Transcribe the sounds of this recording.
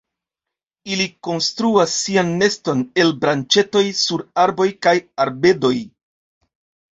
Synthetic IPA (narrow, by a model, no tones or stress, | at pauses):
iliko̞nstɾuasːianːe̞sto̞ne̞lbɾant͡ʃe̞to̞jsuɾaɾbo̞jkajaɾbe̞do̞j